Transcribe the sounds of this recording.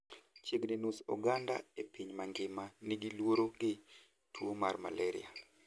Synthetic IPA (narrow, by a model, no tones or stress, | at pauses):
t͡ʃiɡnɪnusɔ̰ɡanda̰epiɲmaŋɡɪmanɪɡɪlwoɾoɡɪ | tʰwomarma̰lɛɾɪ̰a